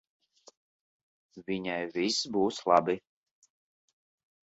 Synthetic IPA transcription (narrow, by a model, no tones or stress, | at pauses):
vʲiɲajvisbuːslˠɑ̰bi